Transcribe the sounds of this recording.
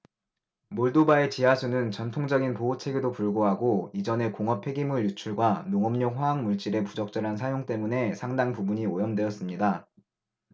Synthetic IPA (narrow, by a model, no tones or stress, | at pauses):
moɭdobae̞t͡ɕiɦasʰunɯnt͡ɕʌntʰoŋd͡ʑʌɡinpoɦot͡ɕʰe̞ɡedopuɭɡoɦaɡoid͡ʑʌne̞koŋʌpʰe̞ɡimuɭjut͡ɕʰuɭɡwanoŋʌmɲokɸwaaŋmuɭt͡ɕ͈iɾe̞pud͡ʑʌk̚t͡ɕ͈ʌɾɦansʰajoŋt͈e̞mune̞sʰaŋdaŋpubuɲiojʌmdwe̞ʌs͈ɯmɲida